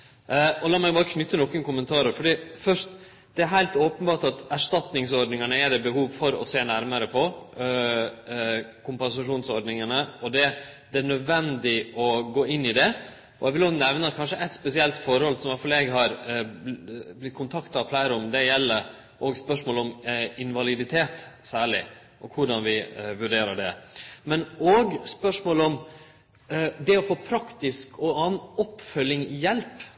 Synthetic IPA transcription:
ɔlɑːmæɪbɑːɾəkʰnʏt̪ːənɔkːənkʊmənt̪ʰɑːɾəɾfɔɖiːfœʂt̪ | d̪̥ɛæɾɦæɪlt̪oːpənbɑːʈɑt̪æʂt̪ɑt̪nɪŋsɔɾɖnɪŋənəɛd̪ɛbəhuːʋfɔɾɔ̰seːnæɾməɾəpʰɔ | kʰʊmpɛnsɑʂuːnsɔɾɖnɪŋənəɔd̪ɛd̪ɛæɳœd̪ʋɛnd̪ɪʔɔɡoːɪnːɪd̪ɛ | ɔɛɡʋɪlɔnɛʋnɑkʰɑnʂəʔɛɪt̪spɛsɪɛlt̪fɔɾhɔlsɔmʋæɾfɑlɛɡɦɑɾ | blɪt̪̚ːkʰʊnt̪ʰɑkt̪ɑflæɪɾəɔmd̪ɛjɛlːə | ʔɔːɡspœʂmoːlɔmɪnʋɑlɪd̪ɪt̪ʰeːt̪sæːɭɪ | ʔɔkʰʊɖɑnʋɪʋʉɖeːɾəɖɛ̰mɛnoɡspœʂmoːlɔm | d̪ɛɔfoːpʰɾɑkt̪ɪskɔɑnɔpːfœlɪŋjɛlp

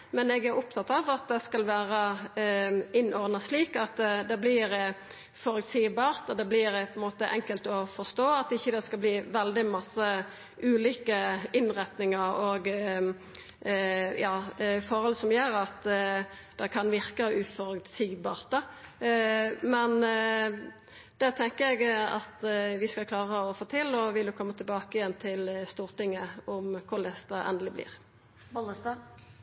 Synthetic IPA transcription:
mɛnɛɡæɾʊp̚t̪ʰɑt̪ːɑʋɑt̪̚d̪ɛskɑlʋæːɾə | ɪnːʔɔʁd̪nəsliːkɑt̪d̪ɛblɪɾ | fɔɾʉt̪siːbɑːɾt̪ɔd̪ɛblɪɾpʰɔɛnmoːt̪əʔɛŋkəlt̪ɔfɔst̪oːɑt̪ɪçːəd̪ɛskɑlbliːʋɛld̪ɪmɑsə | ʔʉːliːkəɪnʁɛt̪nɪŋəɾɔɡ | jɑːfɔɾhɔlsɔmjøɾɑt̪ | d̪̥ɛkʰɑnʋɪɾkəʔʉfɔʁœt̪siːɡbɑːʁt̪ə | mɛn | d̪̥ɛt̪ʰɛŋkəɛɡɑt̪ʋɪskɑlkʰlɑːʁəɔfoːt̪ʰɪlɔʋɪljʊkʰɔmːət̪ʰɪlbɑːkəɪjɛnːt̪ʰɪlst̪uːʁt̪ɪŋːəɔmkʰʊʁlɛsd̪ɑʔɛ̰nd̪əlɪblɪ̰ːʁ | bɔləst̪ɑ

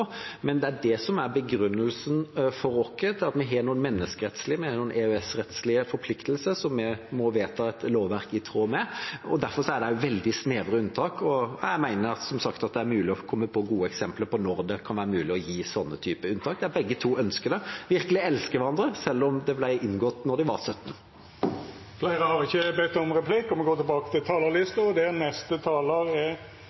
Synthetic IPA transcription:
mɛnd̪ɛæɖɛsɔmæɾbəɡɾʉnːəlsənfɔɾɔkːət̪ʰɪlɑt̪mɛɦeːnuːənmɛnːəskəɾɛt̪slɪmɛheːnuːənʔɛœɛsɾɛt̪slɪəfɔɾpʰlɪkt̪əlsəsɔmːɛmɔʋeːt̪ʰɑɛt̪loːʋʋæɾkɪt̪ʰɾoːmɛɔd̪æɾfɔɾʂɔæɖɛjʊʋɛld̪ɪsneːʋɾəʉnt̪ʰɑːkʰɔjæ̰ɪmæɪnəɾɑt̪sɔmsɑkt̪ɑt̪̚d̪ɛæɾmʉːlɪɔkʰɔmːəpʰɔɡuːəɛksɛmpləɾpɔnɔɾd̪ɛkʰɑnʋæːɾəmʉːlɪɔjiːsɔnːət̪ʰyːpəʉnt̪ɑːk̚d̪ɛæɾbɛɡːət̪ʰuːœnskəd̪ɛʋɪɾkəlɪɛlskəʋæɾɑnd̪ɾəsɛlːɔmd̪ɛblæɪʔɪnɡɔt̪nɔɖ̪ɪʋɑɾsœt̪ːn̩ | flæɪɾəhɑɾɪçːəbɛt̪ːɔmɾɛpʰlikɔmɛɡoːt̪ʰɪlbɑːkə̥t̪ʰɪlt̪ʰɑːləlɪst̪əd̪ɛnɛst̪ət̪ʰɑːləɾɛ

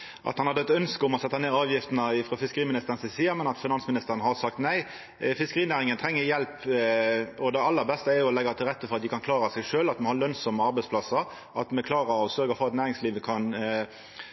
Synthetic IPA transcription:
ʔɑ̰t̪hɑnhɑd̪ɛt̪ːœnskəʊmɔsɛt̪ːɑneːɑːʋjɪft̪nəɪfɾɔfɪskəɾiːmɪnɪst̪əʁənsɛsiːɑmɛnɑt̪fɪnɑnsmɪnɪst̪əɾənɦɑɾsɑk̚t̪næɪ | fɪskəʁiːnæːɾɪŋənt̪ʰɾɛŋːəɾjɛlp | ɔd̪ɛɑlːəɾbɛst̪əæɾjʊɔlɛɡːɑt̪ʰɪlɾɛt̪ːəfɔʁɑt̪̚d̪ɪkʰɑnkʰlɑːɾɑsɛɪʂøːlɑt̪mɛhɑɾlœnsɔməɑɾbæɪspʰlɑsːɑ | ʔɑt̪mɛkʰlɑːʁɑɔsœɾɡəfɔʁɑt̪næːɾɪŋsliːʋəkʰɑn

